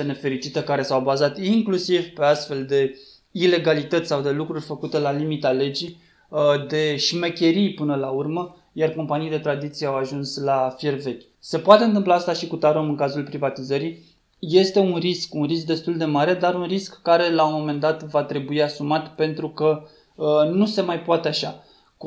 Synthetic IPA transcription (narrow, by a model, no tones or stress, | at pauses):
ene̞fe̞ɾit͡ʃit̪əkaɾe̞sawbazat̪iŋklusivpe̞ast̪fe̞ld̪e̞ | ile̞ɡalit̪ət̪sʲsawd̪e̞lukɾurʲfəkut̪e̞lalimit̪ale̞d͡ʒi | d̪e̞ʃmekʲe̞ɾijpɨnəlaurmə | jarko̞mpanijd̪e̞t̪ɾad̪it̪sijeawaʒunslafje̞rve̞kʲ | se̞poat̪e̞ɨnt̪̬ɨmplaast̪aʃikut̪aɾomɨŋkazulpɾivat̪izəɾi | je̞st̪e̞unriskunrisk̚d̪e̞st̪uld̪e̞maɾe̞d̪aɾunriskːaɾe̞laomo̞me̞nd̪at̪vat̪ɾe̞buiasumat̪pe̞nt̪ɾukə | nuse̞majpoat̪e̞aʃa